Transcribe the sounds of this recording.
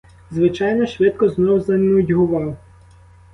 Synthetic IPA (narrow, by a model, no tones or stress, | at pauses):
zʋɪt͡ʃɑjnɔʃʋɪt̪̚kɔznɔɦzɐnʊdʲɦʊʋɑw